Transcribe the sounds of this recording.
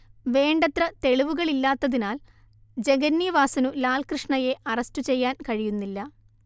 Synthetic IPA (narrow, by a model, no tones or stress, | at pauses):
ʋe̞ːɳɖɐt̪rɐt̪e̞ɻiʋuɣɐɭilːaːt̪ːɐðinaːl | d͡ʑe̞ɡɐnːiɐʋaːsɐnulaːlkrɨʂɳɐje̞ʔɐrɐstut͡ɕe̞jːaːnkɐɻijunːilːɐ